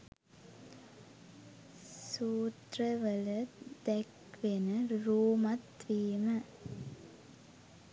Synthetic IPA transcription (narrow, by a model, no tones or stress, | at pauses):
suːt̪rɐʋɐlɐd̪ɛk | ʋenɨɾuːmɐt̪ʋiːmə